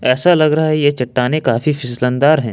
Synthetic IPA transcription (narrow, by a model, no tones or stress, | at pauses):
ɛːsalɐɡɾɐɦaɦɛjet͡ʃɐʈːaːnekaːfifɪslə̃nd̪aːɾɦɛ̃ː